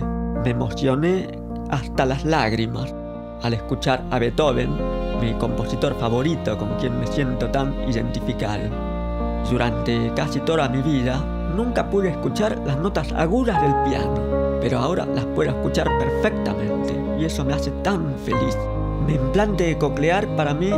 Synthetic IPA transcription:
memo̞sjo̞ne | ast̪alaslaɣɾimas | aleskut͡ʃaɾaβet̪oβenmiko̞mpo̞sit̪o̞ɾfaβo̞ɾit̪oko̞ŋkje̞nmesje̞nt̪ot̪anḭðḛnt̪ifika̰ɾḛ | d̪uɾant̪ekasit̪o̞ðamiβiða | nũŋkapwuðeeskut͡ʃaɾlasnot̪asa̰ɣuðazðelpja̰nopeɾoaoɾa̰laspweðoeskut͡ʃaɾpeɾfek̚t̪a̰mẽnt̪ḛ | iesomeaset̪aɱ | felis | meːmplant̪ekokleaɾpaɾami

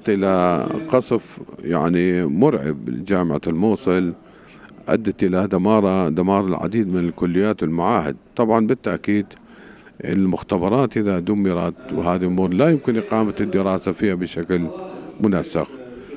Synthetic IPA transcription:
t̪ʔɪlaqɑsˤfja̰ʕnimʊɾʕɪ̰bd͡ʒaːmɪʕa̰lmuːsˤɨl | ʔa̰d̪ːat̪ʔɪlad̪amɑːɾˤɑd̪amɑːɾˤɪlʕa̰d̪iːd̪mɪnɪlkʊlːɪjːaːt̪wɪlmaʕaːhɪ̰d̪̚t̪ˤɑbʕɑnbɪt̪ːaʔkiːd̪ | ʔɪ̰lmʊxt̪abɑɾˤɑːt̪ʔɪðad̪ʊmːɪɾˤɑt̪wɦaːðiʔʊmuːɾˤlajɪmkɪnʔɪqɑːmat̪ɪd̪ːɪɾɑːsafiːhabɪʃaklmʊnasːɪ̰x

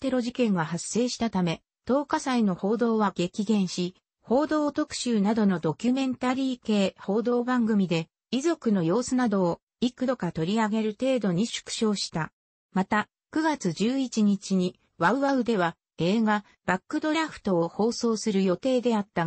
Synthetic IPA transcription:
t̪e̞ɾo̞ʑikẽ̞ŋɡahasːe̞ːɕi̥t̪at̪ame̞ | t̪o̞ːkasaino̞ho̞ːd̪o̞ːβaɡe̞kʲiɡẽ̞ɰ̃ɕi | ho̞ːd̪o̞ːt̪o̞kɯ̟̥ɕɨːnad̪o̞no̞d̪o̞kʲɨmẽ̞nt̪aɾʲiːke̞ːho̞ːd̪o̞ːbãŋɡɯ̟mʲid̪e̞ | izo̞kɯ̟no̞jo̞ːsɨnad̪o̞ː | ikɯ̟d̪o̞kat̪o̞ɾʲiaɡe̞ɾɯ̟t̪e̞ːd̪o̞ɲ̟iɕɨ̥kɯ̟̥ɕo̞ːɕi̥t̪a | mat̪a | kɯ̟ɡat͡sɨʑɨːit͡ɕiɲ̟it͡ɕiɲ̟i | βaɯ̟βaɯ̟d̪e̞βa | e̞ːɡa | b̥akːɯ̟d̪o̞ɾaɸɯ̟̥t̪o̞ːho̞ːso̞ːsɨɾɯ̟jo̞t̪e̞ːd̪e̞at̪ːa

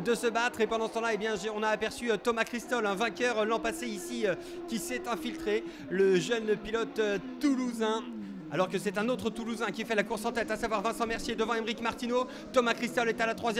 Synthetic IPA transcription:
d̪əsəbat̪χepɑ̃d̪ɑ̃sə̥t̪ɑ̃laebjɛ̃ʒeɔ̃naːpɛʁsyøt̪ɔmakχist̪ɔlɛ̃vɛ̃kʲœʁlɑ̃paseisiø | kʲisɛt̪ɛ̃filt̪χe | ləʒənpilɔt̪t̪ːuluzɛ̃ | alɔʁkəsɛt̪ɛ̃not̪χət̪uluzɛ̃kʲifɛlakuʁsɑ̃t̪ɛt̪asavwaʁvɛ̃sɑ̃mɛʁsied̪əvɑ̃ɛmʁikmaʁt̪ino | t̪ɔmakχist̪ɔlɛt̪alat̪χwazjɛ

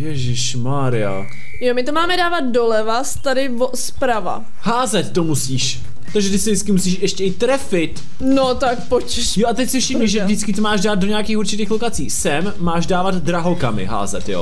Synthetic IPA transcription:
jɛʒɪʃ | maːɾɪa̰ | jomɪt̪omaːmɛdaːvat̪̚dolɛvast̪adɪvospɾava̰ | haːzɛt̪ːomusiːʃ | t̪aɡʒɛt̪ɪsɪdɪt͡skɪmusiːʃʔɛʃcɛɪt̪ɾɛfɪt̪ | not̪akpot͡ʃʃjoʔat̪ɛcsɪfʃɪmɲɪʒɛvdɪt͡skɪt̪omaːʒdaːd̪̚doɲɛjakiːxuɾrt͡ʃɪt̪iːxlokat͡siːsɛmːaːʒdaːvad̪d̪ɾaɦokamɪ̰ɦa̰ːzɛt̪jo̰

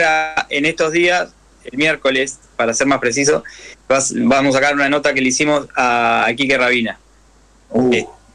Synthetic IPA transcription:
ɾaenest̪o̞ɦðias | elmjeɾko̞lespaɾaseɾmaspɾe̞s̬is̬o̞βasbamos̬akaɾunano̞t̪akeleisimo̞sakikeraβina | e

